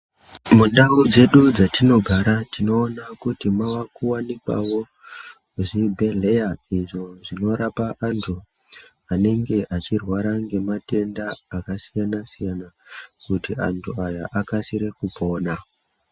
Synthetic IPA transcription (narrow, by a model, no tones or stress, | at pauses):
mundaud͡ze̞ɗud͡zatino̞ɡʱaɾatino̞ːnakutimawakuwanikwa̰wo̞ | ʐibʱe̞ɮe̞jaiʐoʐino̞ɾapaʔantʰu | ane̞ŋɡe̞ʔat͡ʃirwaɾaŋɡe̞mate̞ndaːkasijanasijanakutia̰ntʰuaja̰ʔakasiɾe̞kupo̞ːna